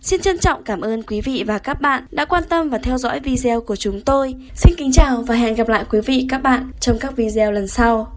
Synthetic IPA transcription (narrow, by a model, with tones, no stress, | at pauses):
si˧nt͡ɕə˧nt͡ɕɔ̰˧˨wŋ͡mkaː˧˩mʔəː˧nkwi˨˦vḭ˧˨vaː˨˩kaː˦˥k̚ɓa̰ː˧˨nɗa̰ː˧˥kwaː˧nt̪ə˧mvaː˨˩t̪ʰɛ˧wzɔ̰˧˥jvi˧zɛ˧wku˧˩ət͡ɕʊ˨˦ŋ͡mt̪o˧jsi˧nkï˨˦ŋ̟t͡ɕaː˨˩wvaː˨˩ɦɛ̰˧˨nɣa˨˩p̚la̰ː˧˨jkwi˨˦vḭ˧˨kaː˦˥k̚ɓa̰ː˧˨nt͡ɕɔ˧wŋ͡mkaː˦˥k̚vi˧zɛ˧wlə˨˩nsa˧w